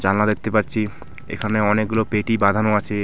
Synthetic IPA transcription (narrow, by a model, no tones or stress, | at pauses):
d͡ʒannad̪ek̚ʰt̪epaɾt͡ɕʰi | ḛkʰaneɔnek̚ɡulopeʈibad̪ʱanoat͡ɕʰe